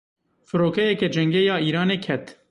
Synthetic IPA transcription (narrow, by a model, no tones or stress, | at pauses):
fɨɾoːkɛjɛkɛd͡ʒɛŋɡɛjɑːiːɾɑːneːkʰɛt̪